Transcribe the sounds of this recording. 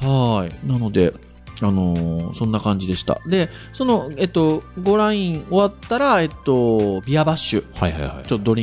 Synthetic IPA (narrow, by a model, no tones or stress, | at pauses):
hainano̞d̪e̞ | ano̞sõ̞nːakãɲ̟d͡ʑid̪e̞ɕi̥t̪a̰d̪e̞so̞no̞et̪ːo̞ɡo̞ɾãĩɴo̞βat̪ːaɾae̞t̪ːo̞bʲiabaɕːɨhajha̰jha̰t͡ɕot̪ːod̪o̞ɾʲĩ